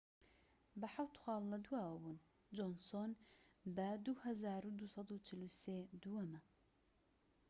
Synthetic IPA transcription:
bəħawt̪xʷwɑːlːɐd̪uwaːɐbuːn | d͡ʒonsonbəd̪uhɐzaːɾud̪usˤɑd̪ut͡ʃʰɪlused̪uwɐmɐ

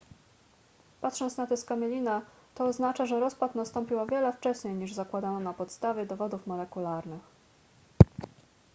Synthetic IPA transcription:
pat̪ʂɔnt̪snat̪ɛskamʲɛlʲina | t̪ɔːznat͡ʂaʐɛɾɔspat̪nast̪ɔmpʲiwavʲjɛlɛft͡ʂɛɕɲejɲiʐzakwad̪anɔnapɔt̪st̪avʲjɛd̪ɔvɔd̪ufmɔlɛkulaɾnɘx

